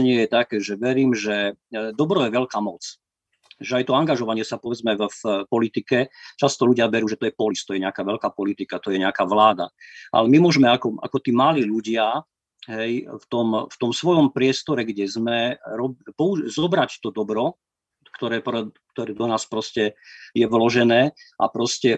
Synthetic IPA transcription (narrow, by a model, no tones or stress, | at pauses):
ɲɪɛjɛt̪akɛːʒɛʋɛɾiːmʒɛd̪ɔbɾɔjɛʋɛlkaːmɔt͡s | ʒɛajt̪ɔaŋɡaʒɔʋaɲɪɛsapɔʋɛd͡zmɛfpɔlit̪ikɛt͡ʃast̪ɔluɟɪaʋɛɾuːʒɛt̪ɔjɛpɔlist̪ɔjɛɲɛakaːʋɛlkaːpɔlit̪ikat̪ɔjɛɲɛakaːʋlaːd̪a̰ʔa̰lɛmimʊɔʒmɛakɔa̰kɔt̪iːmaliːʎuɟɪa | ɦɛjft̪ɔmft̪ɔmsʋɔjɔmpɾɪɛst̪ɔɾɛɡɟɛzmɛɾɔbpɔuzɔbɾact̪ɔd̪ɔbɾɔ | kt̪ɔɾɛːpɾɛk̚t̪ɔɾɛːd̪ɔnaːspɾɔscɛjɛʋlɔʒɛnɛːʔa̰pɾɔscɛ